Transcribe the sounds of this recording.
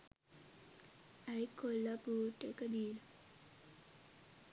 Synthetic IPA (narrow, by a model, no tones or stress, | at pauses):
ajkːolːapuːʈːekəd̪iːla